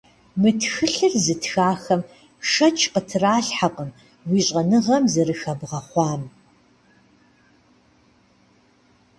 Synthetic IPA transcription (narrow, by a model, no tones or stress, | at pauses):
mɨtʰxɨɬɨrzɨtxaːxɐm | ʂɐt͡ʃʼʰqʼətʰɨraːɬħaqʼəm | wiːɕʼɐnɨʁɐmzɐɾɨxɐbʁɐχʷɑːm